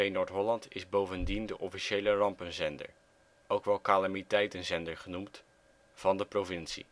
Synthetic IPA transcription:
ejnoːɹtɦɔlɑntɪzbowvəndindəʔɔfiʃejlərɑmpənzɛndə̰ɹ | owkʋɛlˠkalamitɛjtənzɛndəɹχənumt | v̥ɑndəprovɪnsḭ

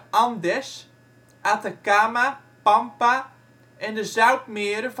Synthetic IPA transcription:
ɑndɛs | ʔatakaːma | pampa | ɛndəzœwp̚mɪəɾəf

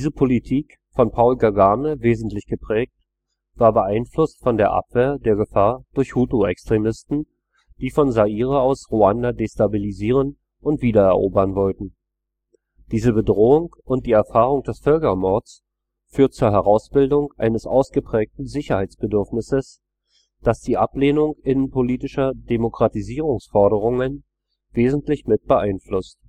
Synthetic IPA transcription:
d̥iːzəpʰolitʰiːk | fɔnpʰaʊlɡaɡaːnəveːzn̩tlɪçɡ̥əpʁ̥ɛːk̚t | v̥aːɐbəʔaɪnflʊstfɔndeːɐʔa̰pv̥eːɐdeːɐɡəfaːɐd̥ʊɐçhuːtoɛ̰kstʁ̥emɪstn̩ | d̥iːfɔnzaʔiːʁəaʊsʁuandadeːstabiliziːʁ̞ən | ʊntv̥iːdɐɛɐʔoːbɐnvɔltn̩ | d̥iːzəbədʁoːʊŋʔʊnt̚d̥iːɛɐfaːʁ̞ʊŋd̥ɛsfœlkɐmɔɐtt͡s | fyːɐt̚t͡suːɐɦɛʁ̞aʊsb̥ɪldʊŋʔa̰ɪnəsʔa̰ʊsɡ̥əpʁ̥ɛːk̚tn̩zɪçɐhaɪt͡sb̥ədʏɐfnɪsəs | d̥asd̥iːʔapleːnʊŋʔɪnənpoliːtɪʃɐdemokʁ̥atiziːʁʊŋsfɔɐɾəʁ̞ʊŋən | veːzn̩tlɪçmɪt̚b̥əʔaɪnflʊst

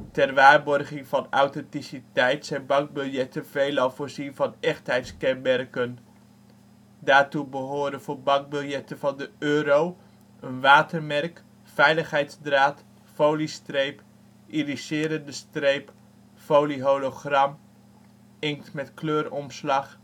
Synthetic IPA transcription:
tɛrʋaːɹbɔrχɪŋvɑnawtɛntisitɛjtsɛjnbɑŋɡ̚bʏlˠjɛtəvejlɑlˠvʊːɹzinvɑnɛχtɦɛjtskɛnbɛrkən | daːɹtubəɦoːdənv̥oːɹbɑŋɡ̚bʏlˠjɛtəvɑndəøːɾow | ənʋaːtərmɛrk | fɛjləχɦɛjtzdraːt | fowlistrejp | ʔirisɪːɾəndəstrejp | fowliɦowloχrɑm | ɪŋtmɛtkløːɾɔmslɑχ

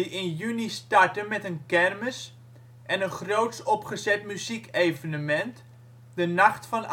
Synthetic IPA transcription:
iɪnjynistartənmɛtənkɛrməs | ʔɛnənχrowtsɔpχəzɛtmyzikejvənəmɛnt | dənɑχtfɑn

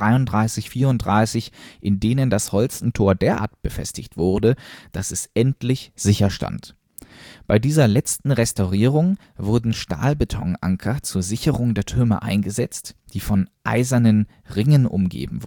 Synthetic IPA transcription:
ʁaɪʊndʁaɪsɪçfiːɐʊntd̥ʁaɪsɪçʔɪndeːnəndashɔlt͡sn̩tʰoːɐdeːɐʔa̰ːɐtb̥əfɛ̰stɪçtv̥ʊɐdəd̥asɛsʔɛntlɪçz̥ɪçɐʃta̰nt | b̥aɪdiːzɐlɛt͡stn̩ʁɛstaʊʁiːʁʊŋ | vʊɐdn̩ʃta̰ːlbətʰɔ̰ŋʔa̰ŋkʰɐt͡suːɐzɪçəʁʊŋdeːɐtʰʏɐmə̰ʔa̰ɪnɡəzɛt͡std̥iːfɔnʔa̰ɪzɐnən | ʁɪŋənʔʊ̰mɡḛːbm̩v

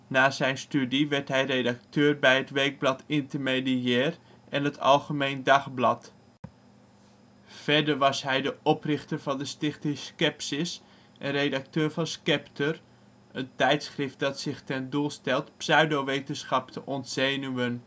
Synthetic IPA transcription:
naːzɛjnstydiʋɛɹtɦɛjrejdak̚tøːrbɛjɦətʋɛjɡ̚blɑtɪntərmediɛːr | ʔɛnɦətʰɑ̰lˠχəmejndɑχblɑt | fɛɹdəɹʋɑsɦɛjdəʔɔprɪχtərvɑndəstɪχtɪskɛpsɪs | ʔənrejdak̚tøːɹvɑnskɛptər | əntɛjtsχrɪft̚dɑtsɪχtɛndulˠstɛlˠtpsœɥdowʋejtənsχɑp̚tʰəʔɔntz̥eːnyən

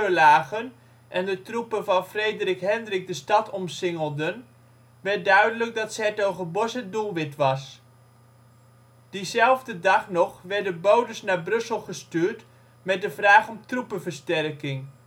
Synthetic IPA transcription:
əlaːχən | ʔɛndətrupənvɑnfrejdərɪkɦɛndrɪk̚dəstɑtɔmsɪŋəlˠdən | ʋɛɹt̚dœɥdələk̚dɑtsɛːtoχəbɔsədulˠʋɪtʋɑs | d̥izɛlˠvdədɑχnɔχʋɛɹdənbowdəsnaːɹbrɵsəlˠχəstyːɹt | mɛt̚dəvraːχɔmtrupənvəɹstɛrkɪŋ

